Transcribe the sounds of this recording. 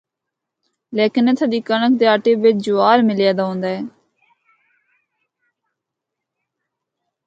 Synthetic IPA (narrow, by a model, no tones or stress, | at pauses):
leːkɪnet̪ʰəd̪iːkəɳək̚d̪eːaːʈeːʋɪt͡ʃd͡ʒʊaːɾmɪlɪjaːd̪aːɦõːnd̪aːɛː